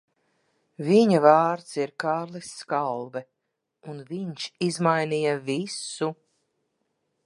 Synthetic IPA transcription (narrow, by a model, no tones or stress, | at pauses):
viɲavaːɾt̪siɾkaːɾlˠisːkalˠvɛ | unviɲʃizmajnijavisu